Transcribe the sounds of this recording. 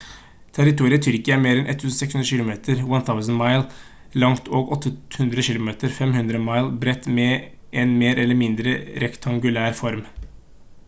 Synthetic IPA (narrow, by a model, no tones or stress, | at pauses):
t̪ʰæɾɪt̪uːɾɪət̪ʰʏɾkɪəæɾmeːɾɛnʔɛ̰t̪ʰːʉːsn̩sɛksʉnɾəʃɪlʊmeːt̪ʰəɾwɛnθʰaʊsnmɑɪl | lɑŋt̪ʰoːɡɔt̪ːəhʉnd̪ɾəʃɪːlʊmeːt̪əɾfɛmhʉnd̪ɾəmɑɪlbɾɛt̪mɛ | ʔɛnmeːɾʔɛlːəɾmɪnd̪ɾəɾɛkt̪ʰɑŋɡʉlæːɾfɔɾm